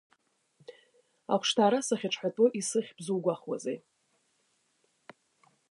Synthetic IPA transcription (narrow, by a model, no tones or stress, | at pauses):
a̰kʷʰʂtʰaːɾasaχʲaʈ͡ʂʰʼħatʼoʔisɨχʲbzuwɡʷaχwa̰zḛj